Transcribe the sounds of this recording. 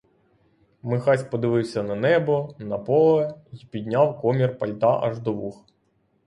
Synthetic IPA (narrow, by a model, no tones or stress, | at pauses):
mɪxɑsʲpɔd̪ɪʋɪwsʲɐnɐnɛbɔnɐpɔlˠɛjipʲid̪ʲnʲawkɔmʲirpɐlʲt̪ɑʔɐʒd̪ɔʋux